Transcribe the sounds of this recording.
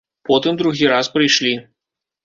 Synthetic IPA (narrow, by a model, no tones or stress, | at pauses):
pɔt̪ɨmd̪ɾuɣʲiɾaspɾɨjʂlʲi